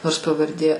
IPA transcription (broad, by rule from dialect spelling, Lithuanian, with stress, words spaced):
noːrs pɐʋɐrʲˈdʲeː